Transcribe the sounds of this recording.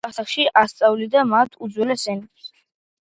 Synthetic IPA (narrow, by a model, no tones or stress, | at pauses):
asakʃiʔast̪sʼawlid̪amat̪ʰud̪zwɛlɛsɛnɛps